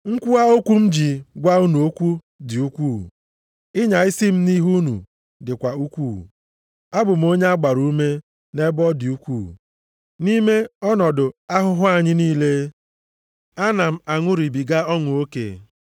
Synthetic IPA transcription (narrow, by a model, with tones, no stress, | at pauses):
ŋ̩˦kʷu˦a˦o˦kʷu˦m̩˦d͡ʒi˨ɡʷa˦u˦nu˨o˦kʷu˦ | dɪ˨u˦kʷuː˦˨ | ɪ˦ɲa˨ɪ˦si˦m̩˦ni˦ɦu˦nṵ˨ | dɪ˨kʷa˨u˦kʷu˦˨ | a˦bʊ˨m̩˨˦o˦ɲe˦a˦ɡ͡ba˨ɾu˦me˦ | ne˦bɔ˦dɪ˨u˦kʷuː˦˨ | ni˦me˦ɔ˦nɔ˨dʊ˨a˦ɦʊ˦ɦʊ˦a˦ɲɪ˦niː˦le˦ | a˦na˨m̩˦a˨ŋʊ˦ɾi˨bi˨ɡa˦ɔ˦ŋʊ˨o˦kḛ˨